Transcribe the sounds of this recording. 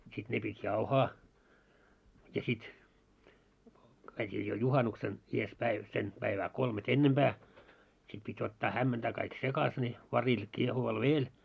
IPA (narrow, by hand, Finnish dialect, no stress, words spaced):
sit ne pitʲ jɑuhɑː jɑ sit kæitʲiː jo juhɑnuksen ies pæiʋ sen pæiʋæː kolmet enːemb̥æː sit pitʲ otːɑː hæmːentæː kɑik sekɑs ne ʋɑril kiehuʋɑl ʋeːl